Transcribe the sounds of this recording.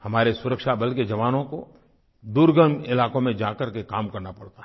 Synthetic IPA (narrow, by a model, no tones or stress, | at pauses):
hɐmaːɾesʊɾəkʃabɐlked͡ʒɐʋaːnõko | d̪uɾɡənɪlaːkõmẽd͡ʒaːkɐɾkekaːmkɐɾnapɐɽt̪a